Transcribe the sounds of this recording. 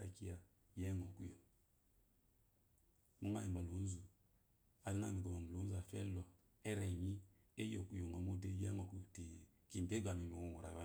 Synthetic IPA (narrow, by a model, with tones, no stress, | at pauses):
a̰˨ki˦ja˨ | jɛ˦ŋɔ˨ku˦jo˨ŋ | mu˦ŋa̰˦ji˨ba˨lo˨˦n̩˦zu˨ | a˨li˦n˦a̰˦˨mi˨ɡo˨a˨m˨lo˨˦n˦zu˦a˨fɛ̰˦lɔ˨ | ɛ˦ɾɛ˨ɲi˦ | e˦jo˨ku˨jo˨ŋɔ˨mu˦de˦jɛ˦ŋo˨ku˨ti˨ | ki˨n˨de˦ɡʷa˨mi˨mi˨wo˦˨ŋu˨ɾa̰˨ja˦